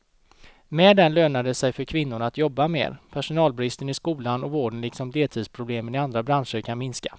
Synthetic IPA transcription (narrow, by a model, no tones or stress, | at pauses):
mɛd̪ɛnløːnad̪əsɛjfœɾkʰvɪnːʊɳat̪jɔbːamḛːɾpʰæʂʊnɑːlbɾɪst̪ənɪskuːlanɔvoːɖənlɪksɔmd̪eːlt̪ʰiːd̪spʰɾʊbleːmənɪand̪ɾabɾanʂəɾkʰanmɪnskḁ